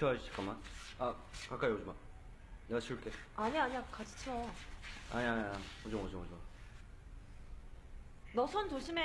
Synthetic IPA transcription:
ʌauɕʰi̥k͈aman | a | kak͈ajod͡ʑuma | neɡaɕʰiuɭk͈e | aɲiaɲiakad͡ʑi̥t͡ɕʰo | a̰ɲiaɲod͡ʑoŋod͡ʑoŋod͡ʑom | nʌsʰʌntoɕʰime

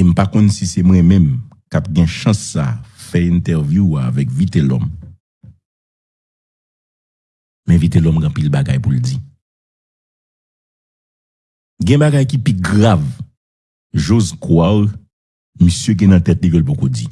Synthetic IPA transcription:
em̩pakɔ̃nsisemwɛ̃mɛ̃m | kap̚ɡɛ̃ʃɐ̃sːa̰fɛĩnt̪ɛʁvjuaːvɛkvit̪elɔ̰m | mɛ̃vit̪elɔmɡ̃pilbaɡajpuld͡zi | ɡɛ̃baɡajkipiɡʁav | ʒozkwal | misjøɡɛ̃nɐ̃t̪ɛtlikølbokod͡zḭ

